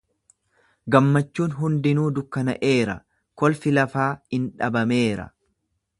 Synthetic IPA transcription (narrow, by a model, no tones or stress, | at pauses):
ɡɐmːɐt͡ʃːuːnɦʊnd̪ɪnuːd̪ʊkːɐnɐ̰ʔe̞ːɾɐ̰ | kɔlfɪlɐfaːhɪnᶑɐbɐme̞ːɾɐ̰